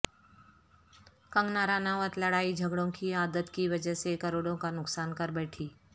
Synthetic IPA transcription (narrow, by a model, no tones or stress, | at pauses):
kəŋɡnaɾanaʋət̪ləɽaid͡ʒʱəɡɽõkiad̪ət̪kiʋəd͡ʒəsekəɾoɽõkanʊksankəɾbɛʈʰiː